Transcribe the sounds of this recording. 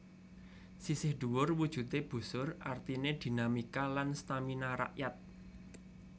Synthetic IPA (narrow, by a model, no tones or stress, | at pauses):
sisɪhd̪̥uwʊrwud̥ʒ̥ṳt̪eb̥ṳsʊrart̪ined̪̥i̤namikalanst̪aminaɾa̰ʔjat̪̚